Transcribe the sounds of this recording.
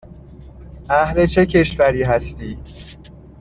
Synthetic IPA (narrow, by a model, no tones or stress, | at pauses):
ʔæhlet͡ʃʰe̞cʰe̞ʃvæɾiːɦæst̪iː